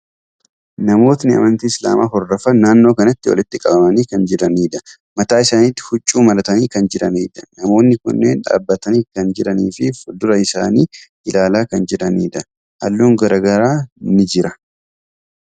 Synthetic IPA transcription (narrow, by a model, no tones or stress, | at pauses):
nɐmo̞ːt̪nɪɐ̰mɐnt̪iːɪsla̰ːmʔa̰ːɦɔrːɐfɐnaːnːo̞ːkɐnɐt̪ːɪwɔ̰lɪt̪ːɪkʼɐbɐmɐniːkɐnd͡ʒɪɾɐniːd̪ɐ̥ | mɐt̪aːɪsaːniːt̪ːɪ̥hʊt͡ʃʼːuːmɐlɐt̪ɐniːkɐnd͡ʒɪɾɐniːd̪ɐ̥nɐmo̞ːnːɪkʊ̰nːeːnᶑa̰ːbːɐt̪ɐniːkɐnd͡ʒɪɾɐniːfɪfʊd̪ʊɾɐɪsa̰ːniːʔɪlaːlaːkɐnd͡ʒɪᶑɐnḭːd̪ɐ | hɐ̰lːuːŋɡɐɾɐɡɐɾaːnɪd͡ʒɪɾɐ